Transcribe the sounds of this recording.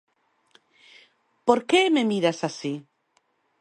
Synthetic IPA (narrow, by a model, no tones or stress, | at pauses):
poɾkememiɾasasi